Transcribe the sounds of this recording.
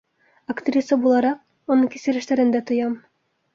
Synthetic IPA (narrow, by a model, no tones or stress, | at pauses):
akt̪ʲrʲisəbulˠɑɾɑq̚ | unɤŋkʲisɘ̆ɾɘ̆ʃt̪æɾɘ̆nd̪æt̪ŏjɑm